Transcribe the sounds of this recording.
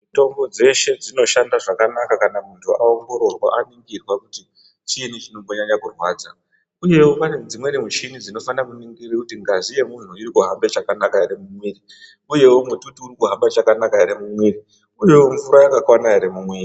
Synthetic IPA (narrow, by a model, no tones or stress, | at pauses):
ito̞mbo̞d͡ze̞ʃe̞d͡zino̞ʃandaʐakanakakanamuntʰuao̞ŋɡo̞ɾo̞rwa̰ʔaniŋɡirwakuti | t͡ʃinit͡ʃino̞mbo̞ɲaɲakurwaːd͡za | uje̞wopaned͡zimwe̞ɾimut͡ʃinid͡zino̞fanakuniŋɡirikutiŋɡaʐije̞mun̤uirikuɦambe̞t͡ʃakanakaeɾemumwiːri | uje̞womutuutiurikuɦambat͡ʃakanakaeɾemumwiːri | uje̞woɱvuɾajakakwanaeɾemumweːri